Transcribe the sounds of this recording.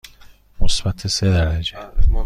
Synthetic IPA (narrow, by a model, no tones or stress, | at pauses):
mosbæt̪ʰesed̪æɾæd͡ʒe